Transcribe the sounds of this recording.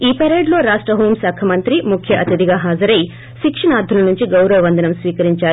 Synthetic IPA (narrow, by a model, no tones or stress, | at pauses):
iːpɛɾeːɖlo̞ːɾaːʂʈɾɐɦoːmsɐːkʰɐmɐnt̪ɾimukʰjɐʔɐt̪ɐd̪iɡaːɦaːd͡ʒɐɾɐji | ʃikʂɐɳaːd̪ʱulɐnuɲt͡ʃiɡɐwɾɐʋɐʋɐnd̪ɐnɐmsʋiːkɐɾiɲt͡ʃaːɾ